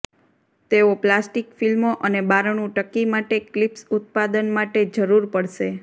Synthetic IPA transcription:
t̪eoplasʈikfilmoʔənebaɾɳ̃ũʈəkːimaʈeklipsʊt̪̚pad̪ənmaʈed͡ʒəɾuɾpəɽʃe

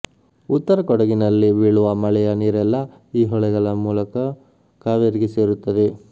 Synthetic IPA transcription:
ut̪ːɐɾɐkɔɽɐɡinɐlːiʋiːɭuʋɐmɐɭɛjɐniːɾɛlːɐ | iːɦɔɭɛɡɐɭɐmuːlɐkɐ | kaːʋeɾiɡeseːɾut̪ːɐd̪e

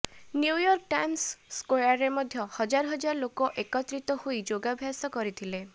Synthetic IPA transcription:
njujɔɾkʈajnsːkojaɾemɔd̪ʱjɔhɔd͡ʒaɾɔɦɔd͡ʒaɾɔlokɔʔekɔt̪ɾit̪ɔhojd͡ʒoɡabʱjasɔkɔɾit̪ʰile

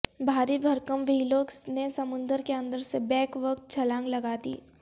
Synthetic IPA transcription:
bʱaːɾibʱɐɾkəmʋiːloːknesɐmʊ̃nd̪əɾkeɐ̃nd̪əɾsebɛ̃ːkʋəkt̪̚t͡ʃʰɐlãːŋɡlɐɡaːd̪ḭː

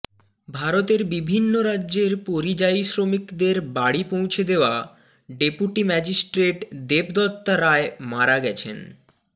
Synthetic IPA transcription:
bʱaɾot̪eɾbibʱinːoɾadːʑeɾpoɾid͡ʑajsɾomikd̪eɾbaɽipõw̃t͡ɕʰed̪eoa | ɖepuʈimɛd͡ʑisʈɾeʈd̪ebd̪ɔt̪ːaɾaemaɾaɡɛt͡ɕʰḛn

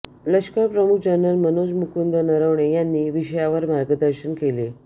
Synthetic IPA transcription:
ləɕkəɾpɾəmukʰd͡ʑənɾəlmənod͡zmukʰund̪ənəɾəʋɳejanːiːʋiɕəjaʋəɾmaɾɡəd̪əɾɕənkele

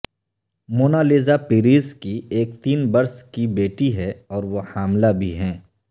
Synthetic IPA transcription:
moːnaːleːzapɪɾiːskieːkt̪iːnbɐɾskibeːʈiɦɛɔːɾʋohaːmlabʱiɦɛ̃ː

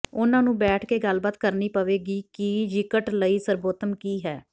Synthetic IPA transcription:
ʊnãːnũːbɛːʈʰkeːɡəlbaːt̪kəɾniːpəʋeːɡiːkid͡ʒɪkəʈləiːsəɾboːt̪əmkiːɦɛː

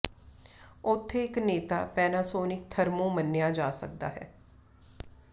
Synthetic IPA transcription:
ʊt̪ʰːeːɪkneːt̪a̰ːpɛːnaːsoːnɪkt̪ʰəɾmõːmənːɪjãːd͡ʒaːsə̰k̚d̪a̰ːɦɛ̰ː

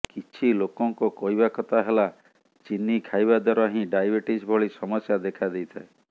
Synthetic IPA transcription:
kit͡ʃʰilokɔŋkɔkɔɦjbakɔt̪aɦela | t͡ʃinːikʰajbad̪ɔɾɔaɦĩɖajbeʈisbʱɔɭisɔmɔsjad̪ekʰad̪ejt̪ʰae

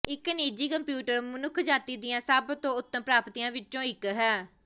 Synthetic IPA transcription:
ɪkniːd͡ʒiːkəmpjuːʈəɾmənʊkʰd͡ʒaːt̪iːd̪ɪjãːsəbt̪õːʊt̪ːəmpɾaːpt̪iːãːʋɪt͡ʃõːɪkɦɛː

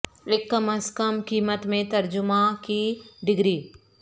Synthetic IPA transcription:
ɪkːɐməskəmkiːmət̪mẽt̪ɐɾd͡ʒʊmãkiɖɪɡɾiː

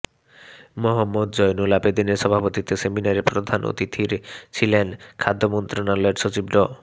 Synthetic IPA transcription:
moɦɔmːud̪d͡ʑɔjnulabed̪ineɾʃɔbʱapot̪it̪eseminaɾeɾpɾod̪ʱano̰t̪it̪ʰiɾt͡ɕʰilenkʰad̪ʱːomɔnt̪ɾonalɔeɾʃot͡ɕibɖɔ

